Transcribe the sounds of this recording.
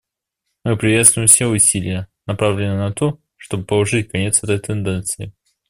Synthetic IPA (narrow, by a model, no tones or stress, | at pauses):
mɨpɾʲɪvʲet̪st̪vʊjɪmfsʲeʊsʲilʲɪjənɐpɾavlʲɪnənɐt̪o | ʂt̪obɨpəlˠɐʐɨtʲkɐnʲet̪sɛt̪əjt̪ɨnd̪ɛnt̪sɨɪ